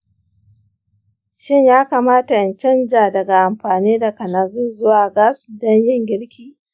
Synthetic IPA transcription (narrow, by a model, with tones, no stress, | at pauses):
ʃɪ˦ɲjaː˦kaː˨maː˦ta˨ʔɪ˨nt͡ʃɐ˦nd͡ʒaː˨dɐ˨ɡa˨ʔa˨mɸaː˨niː˦da˨kɐ˨naː˨zu˦zʊ˦waː˨ɡa˦sdɔ˦ɲjɪ˦ŋɡʲɪ˦ɽkʲʰiː˨